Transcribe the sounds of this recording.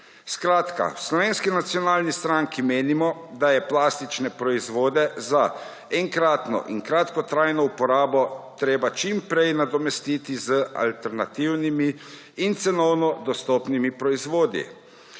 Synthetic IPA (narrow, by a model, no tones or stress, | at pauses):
skɾaːt̪ka̰wslɔʋeːnskinat̪sijɔnaːlnist̪ɾaŋkimeːnimɔ | d̪ajɛplaːst̪it͡ʃnɛpɾɔizʋoːd̪ɛza | ɛŋkɾaːt̪nɔ̰ʔḭŋkɾat̪kɔt̪ɾaːjnɔupɔɾaːbɔt̪ɾeːbat͡ʃimpɾɛjnad̪ɔmɛst̪iːt̪izəa̰lt̪ɛɾna̰t̪iwnimiː | nt̪sɛnɔwnɔd̪ɔst̪ɔːpnimipɾɔizʋoːd̪ḭ